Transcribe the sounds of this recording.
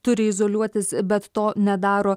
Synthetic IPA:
t̪ʊɾʲɪɪzoːlʲuɔt̪ʲɪsbʲɛt̪ːt̪oːnʲɛd̪ɑːɾoː

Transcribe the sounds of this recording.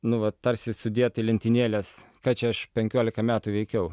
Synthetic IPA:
nʊʋɐt̪ɐɾʲsʲɪsʊd̪ʲiɛt̪ɐɪlʲɛnʲt̪ʲɪnʲiːlʲeːskɑːt͡ʃʲɛɐʃpʲɛŋʲkʲoːlʲɪkɐmʲæːt̪uːʋʲɛɪkʲɛʊ

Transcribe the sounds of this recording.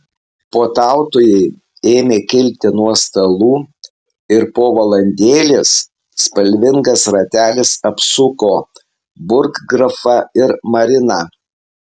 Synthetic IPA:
poːt̪ɑˑʊt̪ʊjɛɪ | eːmʲeːkʲɪlʲt̪ʲɪnuɔst̪ɐlˠuː | ɪɾpoːʋɐlˠɐnʲd̪ʲeːlʲeːsː | pɐlʲʋʲɪŋɡɐsɾɐt̪ʲæːlʲɪsɐpsʊkoː | bʊɾkɡɾɐfɐɪɾmɐɾʲɪnɐ

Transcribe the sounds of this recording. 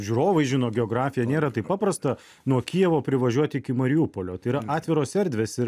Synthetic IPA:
ʒʲuːɾoːʋɐɪʒʲɪnoːɡʲɛoːɡɾɑːfʲɪjɛnʲeːɾɐt̪ɐɪpɑːpɾɐst̪ɐ | nuɔkʲijɛʋoːpʲɾʲɪʋɐʒʲuɔt̪ʲɪɪkʲɪmɐɾʲɪjuːpoːlʲoːt̪ɐɪiɾɐɑːt̪ʲʋʲɪɾoːsʲɛɾʲd̪ʲʋʲeːsɪɾ

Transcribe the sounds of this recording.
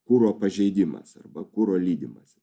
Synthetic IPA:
kuːɾoːpɐʒʲɛɪd̪ʲɪmɐ̰sɐ̰rbɐkuːɾoːlʲiːd̪ʲɪmɐs

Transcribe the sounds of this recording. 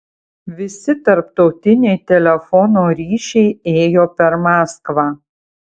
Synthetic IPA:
ʋʲɪsʲɪt̪ɐɾpt̪ɒʊt̪ʲɪnʲɛɪt̪ʲɛlʲɛfɔnoːɾʲiːʃʲɛɪeːjoːpʲɛɾmɑːskʋɑː

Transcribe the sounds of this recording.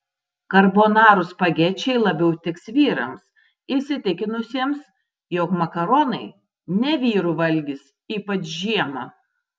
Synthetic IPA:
kɐɾboːnɑːɾʊspɐɡʲɛt͡ʃʲɛɪlˠɐbʲɛʊt̪ʲɪksʋʲiːɾɐ̰ms | iʃsʲɪt̪ʲɪkʲɪnʊsʲiɛms | joːkmɐkɐɾoːnɐɪ | nʲɛʋʲiːɾuʋɐlʲɡʲɪs | iːpɐt͡ʃʒʲiɛmɐ

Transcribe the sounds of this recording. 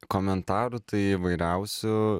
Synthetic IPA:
koːmʲɛnt̪ɑːɾʊt̪ɐɪɪʋɐɪɾʲɛʊsʲʊ

